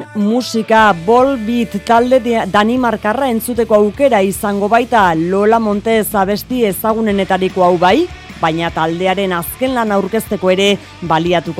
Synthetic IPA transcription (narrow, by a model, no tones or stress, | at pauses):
musikabo̞lβit̪ːald̪d̪animaɾkarae̞nt͡sut̪e̞ko̞awke̞ɾaisaŋɡo̞βajt̪alo̞lamo̞nt̪e̞saβ̞e̞st̪ie̞saɣ̞une̞ne̞t̪aɾiko̞awβajbajɲat̪ald̪e̞aɾe̞naske̞nlanauɾke̞st̪e̞ko̞e̞ɾe̞ | βaliat̪uko